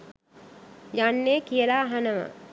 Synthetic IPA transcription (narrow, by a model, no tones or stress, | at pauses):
janːekijəlaːɦanəʋə̰